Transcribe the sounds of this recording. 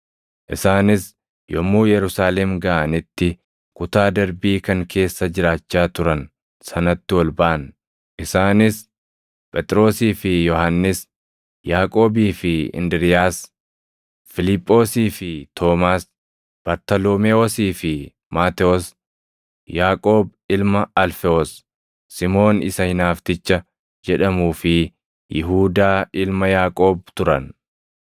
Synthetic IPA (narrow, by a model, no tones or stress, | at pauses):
ʔɪsaːnɪs | jɔmːuːjɛɾʊsaːlɛmɡɐʔɐnɪt̪ːɪ | kʊt̪aːd̪ɐɾbiːkɐŋkʰe̞ːsːɐd͡ʒɪɾaːt͡ʃːaːt̪ʊɾɐn | sɐnɐt̪ːɪwɐlbɐʔɐn | ʔɪsaːnɪs | pʼɛt̪ʼɾo̞ːsiːfɪjɔhanːɪs | jaːkʼo̞ːbiːfɪɪ̰nd̪ɪɾɪjaːs | fɪlɪpʼːo̞ːsiːfɪt̪ʰo̞ːmaːs | b̥ɐɾt̪ɐloːmɛoːsiːfɪ | maːt̪ɛɔs | jaːkʼoːbɪlmɐɐlfɛɔsː | ɪmo̞ːnɪsɐhɪnaːft̪ɪt͡ʃːɐ | d͡ʒɛᶑɐmuːfɪ | jɪ̰ɦuːd̪aːɪlmɐjaːkʼo̞ːb̚t̪ʊɾɐ̰n